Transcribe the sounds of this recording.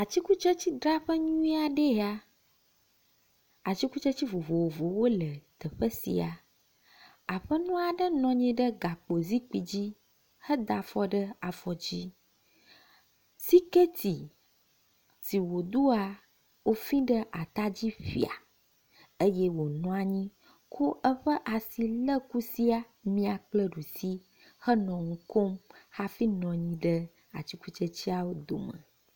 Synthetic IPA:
a˨t͡ɕi˦ku˦t͡ʃə˦t͡ɕi˦d̪ɾa˦ɸə˦ɲũ˦i˦a˨ɖe˦˨a˨ | a˨t͡ɕi˦ku˦t͡ʃə˦t͡ɕi˦vo˨vo˨wo˨vo˨wo˦lə˨t̪ə˨ɸə˦sḭ˨a˨ | a˨ɸə˦nũ˦a˨ɖə˦nɔ̃˨ɲɛ̃˦ɖə˦ɡa˨k͡po˨zi˦k͡pi˨d͡ʑi˦ | hə˦d̪a˨fɔ˦ɖə˦a˨fɔ˨d͡ʑi˦ | si˦ke˦t̪i˨ | si˨wo˨d̪u˦a˨ | wo˦fĩ˦ɖə˦ʔa˨t̪a˦d͡ʑi˦ɸḭ˨a̰˨ | ə˦jɛ˦wo˨nɔ̃˦a˨ɲĩ˦ | ko˦ʔə˦ɸə˦ʔa˨si˨lə˦ku˦si˦a˨ | mĩ˦a˨k͡plə˦ɖu˨si˦ | hə˦nɔ̃˨ŋũ˦ko˦mha˦fi˦nɔ̃˨ɲĩ˨ɖə˦ | a̰˨t͡ɕi˦ku˦t͡ʃə˦t͡ɕi˦a˨wo˦d̪o̰˨mə̰̃˨

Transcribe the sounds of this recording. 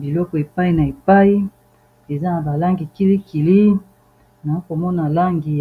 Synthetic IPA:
bi˨lɔ˦kɔ˨e˨pa˦i˦na˨e˨pa˦i˦ | e˨za˦na˨ba˨la˦ŋɡi˨ki˦li˦ki˨li˦ | na˨o˦ko˨mɔ˦na˨la˦ŋɡi˨

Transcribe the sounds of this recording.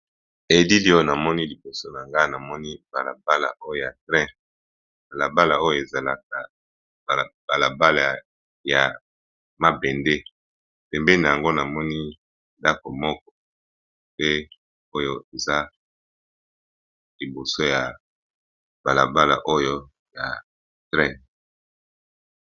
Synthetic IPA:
e˨di˦li˦o˦jo˦na˨mɔ˦ni˦li˨bo˨so˦na˨ŋɡa˦˨na˨mɔ˦ni˦ba˨la̰˨ba˦la̰˨ʔo˦jo˦˨ja˨tʁɛ̃˦ | b̥a˨la˨ba˦la˨o˦jo˦˨e˨za˨la˦k̚a˨ | b̥a˨la˨ba˦la˨ | ja̰˨ | ma˦bɛ˨nde˦ | pɛ˨mbɛ˦li˦na˨ja˨ŋɡo˦na˨mɔ˦ni˦ | nda˦ko˨mɔ˦k̚ɔ̥˦ | pe˦ | o˦jo˦e˨za˦ | li˨bo˨so˦ja˨ | b̥a˨la˨ba˦la̰˨ʔo˦jo˦ | ja˨ | tʁɛ̃˦

